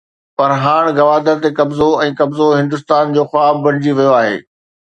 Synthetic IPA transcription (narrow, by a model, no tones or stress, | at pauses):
pɐɾɦaːɽ̃ɡɐʋaːd̪əɾt̪ekɐbzoɛ̃ːkɐbzoɦɪ̃nd̪ʊs̬t̪aːnd͡ʑoːxʊaːb̚ːbɐɽ̃ɪd͡ʑiʋɐjoaːɦḛː